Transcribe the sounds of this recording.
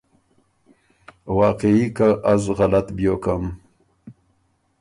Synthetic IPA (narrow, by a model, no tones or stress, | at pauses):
wɑːqeikaʔazɣalat̪bjoːkam